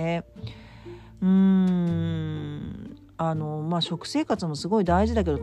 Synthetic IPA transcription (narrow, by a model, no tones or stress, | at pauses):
e | ɯ̟̃ɴ | ano̞maːɕo̞kɯ̟̥se̞ːkat͡sɨmo̞sɨɡo̞id̪aiʑid̪ak̬e̞d̪o